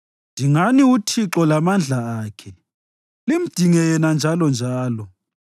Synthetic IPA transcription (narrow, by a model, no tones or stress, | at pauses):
ndʱiŋaniutʰiǁɔlamand͡ɮʱaaːkʰɛ | lim̩d̥ʱiŋɛjɛnand͡ʒʱalɔnd͡ʒʱaːlɔ